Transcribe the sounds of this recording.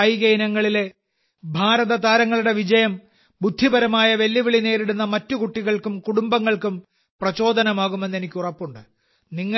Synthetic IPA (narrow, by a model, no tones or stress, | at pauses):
ɐjɣɐjnɐŋːɐɭile̞ | bʱaːɾɐðɐd̪aːɾɐŋːɐɭuɽe̞ʋid͡ʑɐjɐm | bud̪ʱːibɐɾɐmaːjɐʋe̞lːiʋiɭine̞ːɾiɽunːɐmɐtːukuʈːiɣɐɭkumkuɽumbɐŋːɐɭkum | prɐt͡ɕo̞ːd̪ɐnɐmaːɣumenːe̞nikʲːurɐpːuɳɖɨ | niŋːɐ